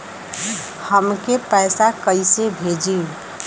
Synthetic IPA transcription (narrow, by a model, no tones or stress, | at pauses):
həmkepəɪsakəjsebʱed͡ʒi